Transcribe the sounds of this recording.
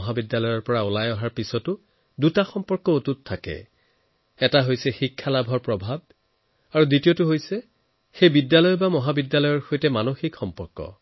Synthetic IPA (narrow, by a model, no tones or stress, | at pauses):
ɦabidjalɔjɔɹpɔɹaolajɔɦaɹpisɔtʊ | dutaxɔmpɔɹkɔotutʰːakɛ̰ | ɛtaɦojsɛxikʰːalabʱɔɹpɹɔbʱab̚ | aɹuditiotʊɦojsɛ | xejbidjalɔjɔbamɔɦabidːalɔjɔɹxojtɛmanoxikxɔmpɔɹkɔ̰